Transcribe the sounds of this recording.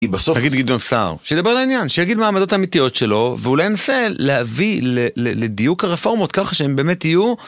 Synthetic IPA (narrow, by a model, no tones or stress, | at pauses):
ibasonafɡid̪ɡid̪onsa̰ʁʃejed̪abelainjanʃejaɡid̪maːmad̪o̞t̪aːmit̪ijo̞tʃe̞lo̞veulajnase̞lehavileleled̪ijukaʁefo̞ʁmo̞t̪̚kaχaʃeembe̞ːme̞tiju